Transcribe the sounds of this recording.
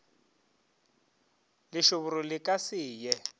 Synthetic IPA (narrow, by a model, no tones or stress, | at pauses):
lɪʃʊβʊɾɔlɪkʼasɪːjɛ